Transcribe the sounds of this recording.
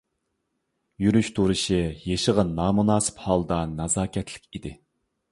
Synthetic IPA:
jyɾyʃt̪ʰuɾɨʃijeʃəʁɑnːɑːmunɑːsɨ̥phɑlˠd̪ɑnɑzɑːkʲʰɛt̪ʰlɪ̥kʲid̪ɪ

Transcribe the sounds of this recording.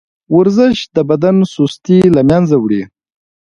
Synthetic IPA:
wʊɾzəʃd̪əbad̪ansust̪ilamjanzawɽi

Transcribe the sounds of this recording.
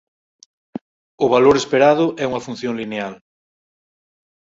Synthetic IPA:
ʊβaloɾespeɾaðʊʔɛuŋɐfun̟θjoŋlineal

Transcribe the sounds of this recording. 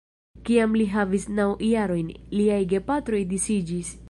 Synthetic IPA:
kiamliɦavisnawjaɾo̞jnliajɡe̞patɾo̞jdisid͡ʒis

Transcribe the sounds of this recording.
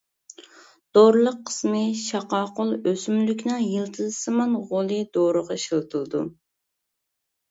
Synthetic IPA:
d̪̥oɾlˠəqʰːə̥smɨʃɑqɑːqʊlˠøsymlykʲnɨŋjilˠt̪ʰɨzsɨmɑnʁolˠɨd̪oɾəʁɑʃɨlˠt̪ʰɨlˠɨd̪ṵ

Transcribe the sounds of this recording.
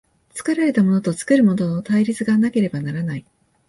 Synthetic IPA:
t͡sɨ̥kɯɾaɾe̞t̪amo̞no̞t̪o̞t͡sɨ̥kɯ̟ɾɯ̟mo̞no̞no̞t̪aiɾʲit͡sɨɡanake̞ɾe̞banaɾanai

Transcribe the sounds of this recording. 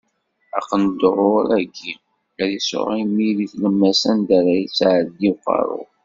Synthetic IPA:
æ̰qːənd̪ɾʊɾæɡi | æɾiso̰ʁimiliθləmːæsænd̪æɾæjit͡sːʕəd̪iqːɑ̰ɾˤʊ̰

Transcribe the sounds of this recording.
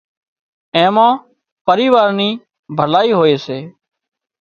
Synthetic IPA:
ẽːmãː | pəɾiːʋaːɾniː | bʱəlaːiːɦoːeːseː

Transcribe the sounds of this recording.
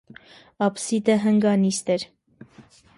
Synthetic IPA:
ɑpsid̪əɦəŋɡɑnist̪ɛɾ

